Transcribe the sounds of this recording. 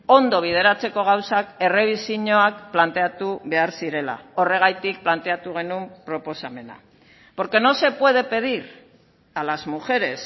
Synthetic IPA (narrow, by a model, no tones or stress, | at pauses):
o̞nd̪o̞β̞ið̞e̞ɾat͡se̞ko̞ɣ̞awsake̞re̞β̞isiɲo̞akplant̪e̞at̪uβe̞aɾsiɾe̞la̰o̞re̞ɣajt̪ik̚plant̪e̞at̪uɣ̞e̞numpɾo̞po̞same̞na̰ | po̞ɾke̞no̞se̞pwe̞ð̞e̞pe̞ðiɾ | alazmuʝe̞ɾe̞s